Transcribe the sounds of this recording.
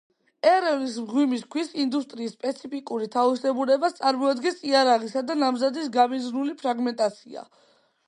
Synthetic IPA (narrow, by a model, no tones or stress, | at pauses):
ɛɾɛvnis̬mʁwimiskʰwisind̪ust̪ʼɾiːsːpʼɛt̪sʰipʰikʼuɾit̪ʰavisɛbuɾɛbast̪sʼaɾmɔad̪ɡɛnsiaɾaʁisad̪anamzad̪is̬ɡamizɾnulipʰɾaɡmɛnt̪ʼat̪sʰia̰